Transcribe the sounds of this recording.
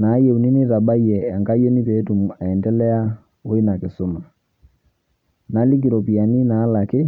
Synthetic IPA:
na˨˦jɛ˦˨u˨ni˦nɪ˦ta˨ɓa˦i˦ɛ˨a˨ŋɡa˦jɔ˦ni˦pɛ˨˦tu˨mu˨a˨ɛ˨ndɛ˦lɛ˦a˦ | o˦i˦na˨kɪ˨so˦ma˨ | na˨˦li˦ɡ̬i˨ɾɔ˨pi˨a˨ni˦naː˨˦la˨kɪ˦

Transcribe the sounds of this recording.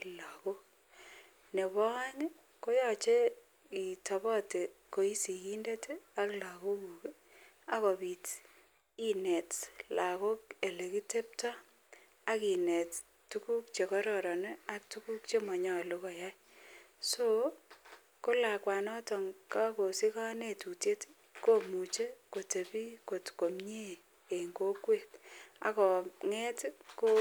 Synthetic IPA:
la˨ko˦ | ne˨bɔ˦a˦ŋ˦ | ko˦jɔ˦t͡ʃe˦ | i˨ta˨bɔ˦te˨ko˨i˦si˨i˦nde˦ta˦kla˨ko˦ku˨k | a˦ko˨bi˨t | i˦ne˨tla˨ko˦ke˨le˨ki˦te˦p̚ta˦ | a˦ki˨ne˨t | tu˦ku˦k̚t͡ʃe˨kɔ˦ɾɔ˨ɾɔ˨ne˦a˦k̚tu˦ku˦k̚t͡ʃe˦ma˨ɲɔ˨lu˦kɔ˨ja˦j | so˦ | ko˦la˨kwa˨nɔ˦tɔ˨ŋka˦ko˨si˦ka˦ne˨tu˨tje˦t | ko˦mu˨t͡ʃe˦ko˨te˨pi˦ko˨tko˨mɲe˦ | e˨ŋɡo˦kwe˦ta̰˨kɔ˨ŋɛ˦tko˦

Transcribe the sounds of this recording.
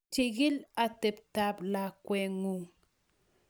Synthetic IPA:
t͡ʃi˨ɡi˦la˨te˨p̚ta˦bla˨kwɛ˨ŋu˨ŋ

